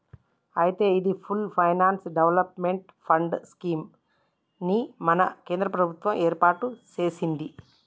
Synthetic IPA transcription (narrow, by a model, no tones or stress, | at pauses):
ɐjit̪e̞ːid̪ipʰulpʰɐjnaːnsɖeʋlɐpmeɳʈ | pʰɐɳɖskiːm | nimɐnɐkeːnd̪ɾɐpɾɐbʱut̪ʋɐmeːɾpaːʈut͡ʃe̞ːsind̪i